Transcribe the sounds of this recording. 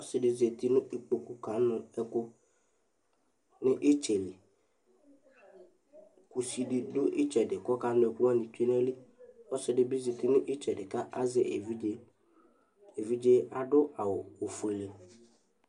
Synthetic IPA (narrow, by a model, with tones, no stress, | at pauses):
ɔ˦sɪ˨dɪ˨ze˨t̪i˦nʊ̃˦ʔi˨k͡po˨ku˨ka˨˦nʊ˨ɛ˦kʊ˦ | nɪ˦ʔɪ˦t͡ʃɛ˨lɪ˨ | ku˨si˨dɪ˨dʊ˦ʔɪ˦t͡ʃɛ˨dɪ˨kɔ˦ka˨˦nʊ̃˦ɛ˨kʊ˦wa˦ni˨te˦nɛ˦li˦ɔ˦sɪ˨dɪ˨bi˦ze˨t̪i˦nʊ̃˦ʔɪ˦t͡ʃɛ˨dɪ˨ka˦ʔa˦zɪ˨v | e˨vi˦d͡ʒe˦a˨dʊ˦a˨wʊ˨o˨fe˨le˨